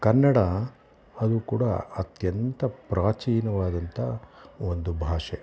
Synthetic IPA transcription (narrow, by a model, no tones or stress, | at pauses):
kɐnːɐɽɐ | ɐd̪uːkuːɽɐ̰ɐt̪jɐnt̪ɐpɾʔaːt͡ʃiːnɐʋaːd̪ɐnt̪ʰɐ̰ond̪ubʱaːʂe